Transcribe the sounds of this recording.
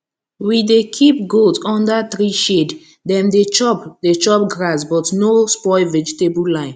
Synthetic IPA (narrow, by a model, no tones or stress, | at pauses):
widekʰip̚ɡotɔ̃ndat̪ɹiʃed | dɛ̃mdet͡ʃɔpdet͡ʃɔp̚ɡɹas̬bɔtnospɔɪvɛd͡ʒitebulãɪ̃n